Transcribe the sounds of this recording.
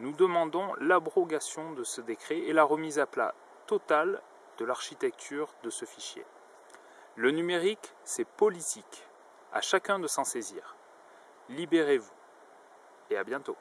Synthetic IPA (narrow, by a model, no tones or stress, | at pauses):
nud̪əmɑ̃d̪ɔ̃labʁɔɡasjɔ̃d̪əsəd̪ekχeelaʁəmizapla̰ | t̪ɔt̪al | d̪̥əlaʁʃit̪ɛk̚t̪ʰyʁd̪əsəfiʃjḛ | lənymeʁik | sɛpɔlit̪ʰik | a̰ʃakɛ̃d̪əsɑ̃seziːʁ | libeʁevu | eabjɛ̃t̪o